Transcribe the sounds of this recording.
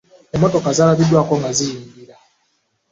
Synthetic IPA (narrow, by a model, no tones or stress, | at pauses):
ɛmɔtɔkazalaβidwakɔŋɡazijiːŋɡiɾa